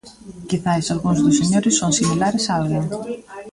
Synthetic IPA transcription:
kiθajsalɣuŋzðʊseɲoɾɪsːoŋsimilaɾesaalɣeŋ

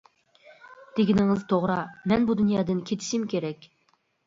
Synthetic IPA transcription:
d̪̥eɡʲinɪŋɪzt̪ʰoʁɾɑmɛnbud̪ynjɑːd̪ɨnkʲʰet̪ʰɪ̥ʃimkʲʰeɾɛkʲ

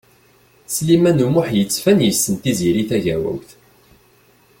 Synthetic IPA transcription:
slimænumʊħjət͡sːfænjəsːənt̪iziɾiθæʝæwæ̰wθ

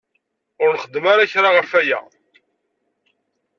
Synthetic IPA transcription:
ʊɾnχəd̪ːmaɾaçɾaʁəfæjæ̰

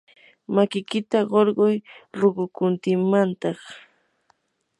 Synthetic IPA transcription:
makɪkɪt̪aɢoɾɢʊjɾoɢʊkʊnt̪ɪŋmant̪ɑχ

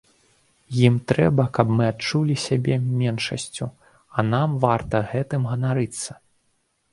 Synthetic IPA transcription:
jimt̪ɾɛbɐkɐbmɨat̪t͡ʂulʲisʲabʲɛmʲɛnʂɐ̰sʲt͡sʲu | ɐnamvart̪ɐɣɛt̪ɨmɣɐnaɾɨt̪sːɐ̥

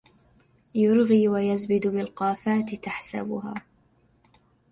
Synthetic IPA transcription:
jʊɾɣiːwajazbɪd̪bɪlqɑːfaːt̪ɪt̪aħsa̰bʊɦa̰ː

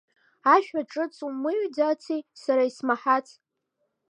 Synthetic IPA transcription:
aʃᶣaʈ͡ʂʼɨt͡sʰʼumɨɥdat͡sʰisaɾaismaħat͡sʰ

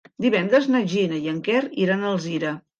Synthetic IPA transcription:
d̪iβɛnd̪ɾəznəʒinəjəŋkɛriɾanəlˠziɾə

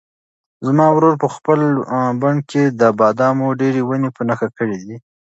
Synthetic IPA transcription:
zmɑwɾoɾpəxpəlbaɳked̪əbɑd̪ɑmoɖeɾewənepənaxakəɽid̪i

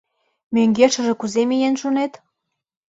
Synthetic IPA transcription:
møŋɡeʃə̆ʒĕkuzemijenʃunet̪

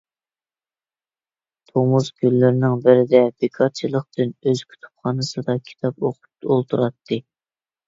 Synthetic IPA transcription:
t̪ʰomuskʲylːɪɾɪnɪŋbɪɾɪd̪ɛbɪkʰɑt͡ʃʰilˠəq̚t̪ɪnøz̥kʲʰy̥t̪ʰu̥pχɑːnɨsɨd̪ɑkʲʰi̥t̪ʰɑpoqʰʊ̥pt̪olˠt̪ʰuɾɑt̪ʰːɨ

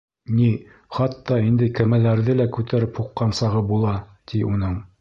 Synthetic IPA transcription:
ni | χɑt̪ːɑind̪ɘkɘ̆mælæɾðɘlækʉt̪ʰæɾɘphuqːɑnsɑʁɤbulˠɑt̪ʰiʔunɤɴ

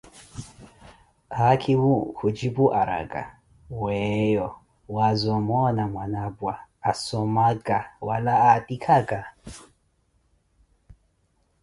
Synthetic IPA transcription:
hakʰimukud͡ʒibuʔaɾa̰ɡa̰ | wɛjɔ | wazuamɔnamwanabwaasɔmaɡawalaːtikʰaɡa

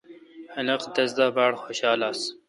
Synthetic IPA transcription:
hɐlɐqd̪ɐz̬d̪aːbɑːɽxoɕɑːlaːs

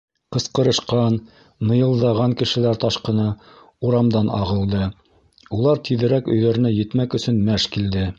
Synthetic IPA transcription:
qɤ̆sqɤ̆ɾɤ̆ʃqɑn | mɤ̆jɤ̆lˠd̪ɑʁɑŋkɘ̆ʃɘ̆læɾt̪ɑʃqɤ̆nɑ | uɾɑmd̪ɑnʔɑ̰ʁɤ̆lˠd̪ɤ | ulˠɑɾt̪ʰiðɘ̆ɾækɵ̆jðæɾɘ̆næjɘ̆t̪mækɵ̆sɵnmæʃkild̪ɘ

